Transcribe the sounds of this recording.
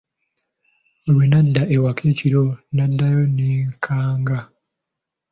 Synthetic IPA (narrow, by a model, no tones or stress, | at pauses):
owenadːaʔewakʰeːciɾonadːajoniːŋkʰaːŋɡa